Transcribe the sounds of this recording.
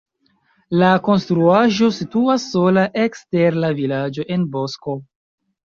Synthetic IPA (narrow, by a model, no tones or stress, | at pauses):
lako̞nstɾuaʒo̞situasːo̞laʔekste̞ɾnlavilad͡ʒo̞ʔe̞nbo̞sko̞